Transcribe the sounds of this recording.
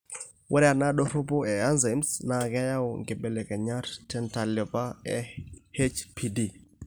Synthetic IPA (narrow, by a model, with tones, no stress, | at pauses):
wʔɛ˦ɾɛ˦a˨na˦ɗo˦ɾo˦po˦ɛ˨a˦nze˨msna˨kɛ˦ja˦o˨ŋɡɪ˨be˨le˨kɛ˨ɲa˦ɾtɛ˦nta˨lɛ˨pa˦ɛ˦he˦t͡ʃpʰi˨di˨